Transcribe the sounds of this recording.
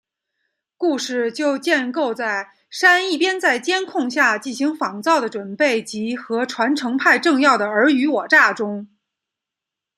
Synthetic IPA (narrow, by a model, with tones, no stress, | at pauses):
ku˥˧ʂɻ̩˥˩t͡ɕjo˥˧ʊt͡ɕjɛ˥˧nko˥˧ʊt͡sa˥˩ɪ | ʂa˥ni˥˩pjɛ˥nt͡sa˥˩ɪt͡ɕjɛ˥nkʰʊ˥˧ŋɕja˥˧t͡ɕi˥˩nɕi˧˥ŋfɑ˨˧˩ŋt͡sɑ˥˩ʊd̪ə˩ʈ͡ʂwə˨˩npe˥˩ɪt͡ɕi˧˥xɤ˧˥ʈ͡ʂʰwa˧˥nʈ͡ʂʰɤ˧˥ŋpʰa˥˧ɪʈ͡ʂɤ˥˧ŋjɑ˥˩ʊd̪ə˩ə˞˧˥y˧˥wɔ˨˩ʈ͡ʂa˥˩ʈ͡ʂʊ˥ŋ